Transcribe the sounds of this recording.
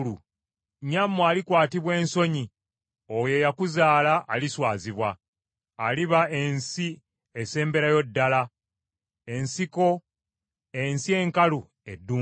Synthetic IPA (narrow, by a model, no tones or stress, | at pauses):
lu | ɲamːwaːlikwaːtiβwe̞ːnso̞ɲi | oje̞jakuzaːlaʔːliswaːziβwaː | liβae̞nsi | ese̞ːmbe̞ɾajo̞dːala | e̞nsiko̞ | ensie̞ŋkalu | edːuː